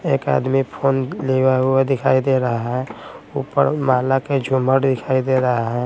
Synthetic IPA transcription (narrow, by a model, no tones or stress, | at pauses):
eːka̰d̪mipʰoːnleʋeɦʊed̪ɪkʰaːid̪eɾəɦaɦɛ̃upəɾmalaked͡ʒʱuməɽd̪ɪkʰaːid̪eɾəɦaɦɛ̃